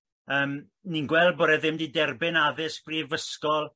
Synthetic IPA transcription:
əːm | ninɡwɛlˠd̚boːɾɛðɪmdidɛrbɪnaðɪskriːvəskɔlˠ

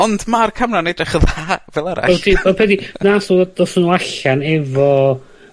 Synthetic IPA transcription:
ɔndmarkʰamnanejdrɪχəðaːvɛlˠaɾa̰ɛwdiɔpʰɛdinasudɔsnuaɬanɛvɔ

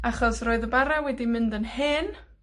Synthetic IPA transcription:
aχɔsroɨðəbaɾawɛdimɪndənhɪn

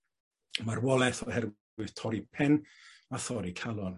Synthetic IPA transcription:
marwɔlɛθɔhɛrw | ɨð̥tʰɔɾipʰɛnaθɔɾikʰalˠɔn

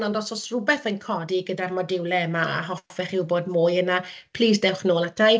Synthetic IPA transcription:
nɔndɔsɔsrʊbɛθənkʰɔdiɡədarmɔdɪwlˠɛmaa̰ɦɔfɛχɪwboːdmʊːjənapʰlˠiːs̬d̥ɛwχnoːlˠatʰaj

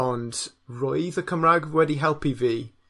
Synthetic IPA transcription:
ɔnd | ɹɔjðəkʰəmɹaɡwɛdiɦɛlˠpʰiviː

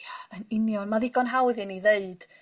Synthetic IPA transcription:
aənɪnjɔnmaðɪɡɔnɦawɪðiniðeɨd̥

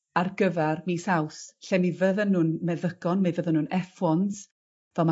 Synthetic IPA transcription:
arɡəvɛrmisawsɬɛmivəðənuːnmɛðəɡ̥ɔnmevəðənunɛfɔns | vɛlˠma

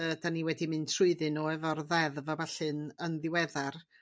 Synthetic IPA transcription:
əːdaniwɛdimɨntʰrʊɨðɨnɔɛvɔrðɛðvabaɬɨnənðɪwɛðar

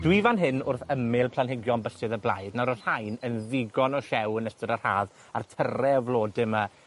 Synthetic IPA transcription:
d̥wivanɦɨnʊrθəmɪlˠpʰl̥ˠanɦɪɡjɔnbəsɨðəblˠa̰jdnaɾɔr̥ajnənðɪɡɔnɔʃɛwənəstəɾar̥haːð | a̰rtʰərɛvlˠoːdɪma

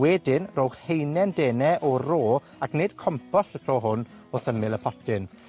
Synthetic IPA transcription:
wɛdɪnroːwχhejnɛndeːnɛʔɔroː | akned̥kʰɔmpʰɔsətʰroːɦʊn | oθəmɪlˠəpʰɔtʰɪn

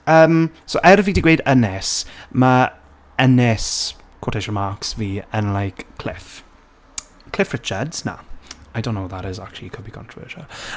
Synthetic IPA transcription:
əmsoʔɛɾvidɪɡweːdənɛsma | ənɛs | kʰoːtʰɛʃɹəmaksviːənlajkʰl̥ɪ̰f | kʰl̥ɪfɹɪt͡ʃədz̥na̰ajdõʊ̃nːowðaɾɪzak̚t͡ʃul̩ˠikʰʊd̚bikʰɔ̰̃ntʰɹ̥əvə̰ːˑʃə̰lˠ

